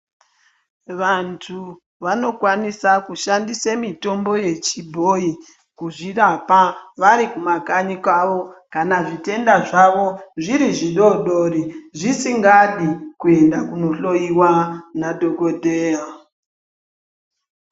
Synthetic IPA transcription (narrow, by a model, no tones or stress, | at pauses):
ʋantʰu | ʋano̞kwanisakuʃandisemito̞mbo̞je̞t͡ʃibʱoi | kuʐirapaʋaɾikumakaɲikaʋo̞kanaʐite̞ndaʐaʋo̞ʐiɾiʐiɗo̞ɗo̞ɾiʐisiŋɡaɗikue̞ndakuno̞ɬo̞iwanadʱo̞kodʱea